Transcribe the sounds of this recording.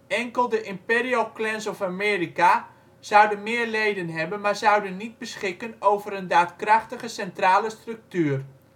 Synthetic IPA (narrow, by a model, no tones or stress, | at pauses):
ɛŋkəlˠdəʔɪmpeːrioklɛnsɔfameːrika | z̥ʌwdənmɪːərlejdənɦɛbənmaɹzʌwdənːid̚bəsχɪkənowvəɾəndaːtkrɑxtəɣəsɛntraːləstrɵk̚tyər